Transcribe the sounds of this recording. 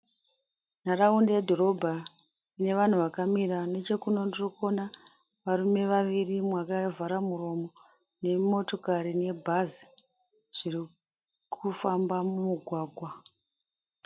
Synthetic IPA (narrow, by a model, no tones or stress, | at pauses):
naraundejedʱo̞ɾo̞bʱa | ine̞ʋan̤uʋakamiɾane̞t͡ʃe̞kuno̞ndiroko̞na | ʋarume̞ʋaʋirimwakavʱaɾamuro̞mo̞ | ne̞mo̞to̞kaɾine̞bʱazi | ʐ̥iri | kʰufambamumuɡʱwaːɡʱwa